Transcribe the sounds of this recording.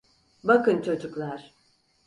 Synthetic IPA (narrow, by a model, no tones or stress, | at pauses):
bakɯnt͡ʃʰo̞d͡ʒuklˠaɾ̥